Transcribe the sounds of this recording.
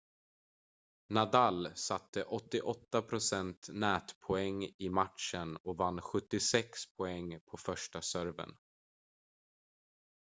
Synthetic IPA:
nad̪alsat̪ːəʔɔt̪ːɪʔɔt̪ːapʰɾʊsɛnt̪nɛːt̪pʰɔɛŋːɪmat̪ʂənɔvanːɧɵt̪ːɪsɛkspʰɔɛŋːpʰɔfœʂʈasœɾvə̰n

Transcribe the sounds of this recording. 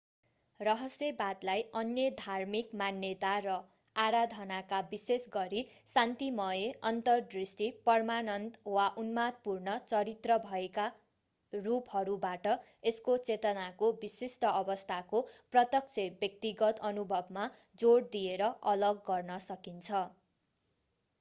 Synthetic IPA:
rʌɦʌsjebad̪lajʌnjʌd̪ʱarmikmanːjet̪aɾʌ | aɾad̪ʱʌnakabisesɡʌɾisant̪imʌjeʌnt̪ʌrd̪risʈipʌrmanʌnt̪waʔunmat̪̚purnʌt͡sʌɾit̪rʌbʱʌeka | ruphʌɾubaʈʌ | eskot͡set̪ʌnakobisisʈʌʌbʌst̪ʰakoprʌt̪ʌk̚t͡sʰebjʌk̚t̪iɡʌt̪ʌnubʱʌbma | d͡zoɽd̪ijeɾʌʔʌlʌɡːʌrnʌsʌkint͡sʰʌ

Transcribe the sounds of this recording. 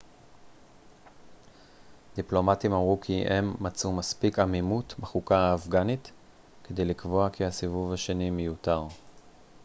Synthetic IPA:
d̪iplo̞matimamʁukʰiʔemːat͡sumaspikamimutbeχukaːfɡanit | ked̪e̞jlikvo̞akihasivuvhaʃe̞nimejutaʁ

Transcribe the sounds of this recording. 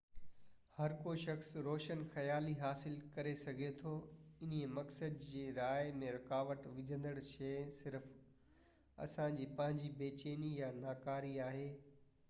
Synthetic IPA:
hɐɾkoʃɐxsɾoːʃənxɐjaːliɦaːsɪlkɐɾesɐɡʱet̪ʰoː | ɪn̤iemɐksəd̪d͡ʑeːɾaːɪmẽɾɐkaːʋəʈʋɪd͡ʑʱə̃nd̪əɽt͡ɕʰeːsɪɾf | ɐ̰sãd͡ʑiːpɐ̃ɦɪ̃ɲd͡ʑibeːt͡ɕeːnijanaːkaːɾiaːɦeː

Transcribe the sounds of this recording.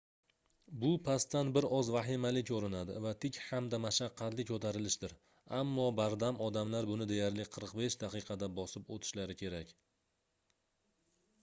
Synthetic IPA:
bʊpʰast̪ːanbɪɾɒzvaɦɪmalɪkʲoɾɪnad̪ɪ̰vat̪ʰɪkʲhamd̪amaʃaqʰːɑt̪lɪkʰɵt̪ʰaɾɪlɪʃd̪ɪɾ | amːɒbaɾd̪amɒd̪amlaɾbʊnɪd̪e̞jaɾlɪqʰɨɾqbe̞ʃd̪aqʰɨqʰɑd̪abɒsɪpot̪ʰɪ̥ʃlaɾɪkʲʰe̞ɾakʲ

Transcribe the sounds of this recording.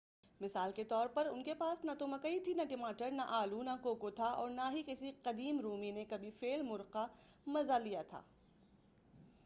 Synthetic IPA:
mɪsaːlket̪ɔːɾpɐɾʊnkepaːsnat̪omɐkɐit̪ʰinaʈɪmaːʈəɾnaʔaːlunakoːkot̪ʰaʔɔ̰ːɾnaɦikɪsiqɐd̪iːmɾuːminekɐbʱifeːlmʊɾqamɐzalijat̪ʰa̰ː

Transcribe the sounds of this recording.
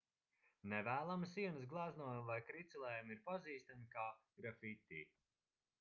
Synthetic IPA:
nɛvæːlˠamsiɛnɨs̬ɡlˠaːznuɔjmvajkɾit̪sɛlˠɛːjamiɾpaziːst̪amikaː | ɡɾafit̪ʲḭː

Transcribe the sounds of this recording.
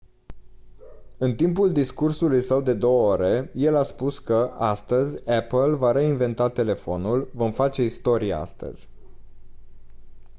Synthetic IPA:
ɨnt̪imp̬uld̪iskursulujsəwd̪e̞d̪o̞wəoɾe̞je̞laspuskəʔast̪əzʲapəlvaɾe̞inve̞nt̪at̪e̞le̞fo̞nulvo̞mfat͡ʃe̞ist̪o̞ɾijḛa̰st̪ə̰z̥ʲ

